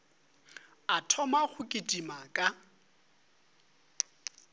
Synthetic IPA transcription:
atʰɔmaɣʊkʼɪtʼimakʼa

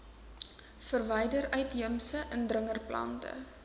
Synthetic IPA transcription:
fərvɛjdəɾœɥtɦəmsəʔəndrəŋərplɐ̰ntə̰

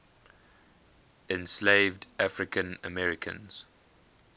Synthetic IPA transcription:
ɛ̃nsleɪvdʔafɹɪkʰə̃nə̰mɛɹɪkʰə̰̃nz̥

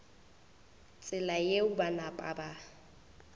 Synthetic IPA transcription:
t͡sʼɪlajeʊbanapʼaba

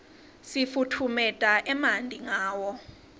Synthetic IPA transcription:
sifutʰumɛtʼaʔɛmandʱiŋaːwɔ

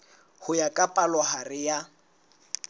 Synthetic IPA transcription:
hʊjakʼapʼalɔharɪja

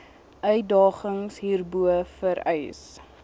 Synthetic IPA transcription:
œɥdɑːχəŋsɦiːrbuəfəɾœjs

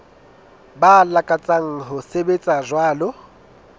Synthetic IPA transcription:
balakʼat͡sʼaŋ̩ɦʊsebet͡sʼazwaːlʊ

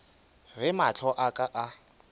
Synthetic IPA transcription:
rɪmat͡ɬʰɔʔakʼaʔa

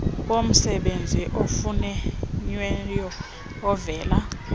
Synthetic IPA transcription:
om̩sɛɓend͡zʱiʔofunɛɲwɛjɔː | vɛːla

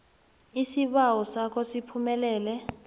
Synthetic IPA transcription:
isiɓawɔsakʰɔsipʰumɛlɛːlɛ

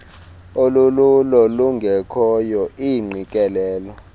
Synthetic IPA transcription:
olululɔluŋɡʱɛkʰɔjɔʔiŋ͡ǀikʼɛlɛːlɔ

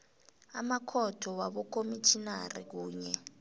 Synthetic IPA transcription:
amakʰɔtʰɔwaɓɔk̬ʰʼomitʰina̰rḭk̬uːɲɛ

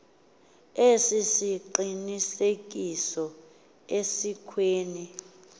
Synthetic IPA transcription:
esisiǃinisek̬ʼisɔ | esikʰweːni

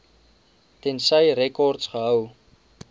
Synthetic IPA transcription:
tɛnsəjrɛkɔrtsχəɦəw

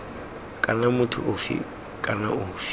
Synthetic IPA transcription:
kʼanamʊtʰʊ̰ʔʊfḭ | kʼana̰ʊːfi̥

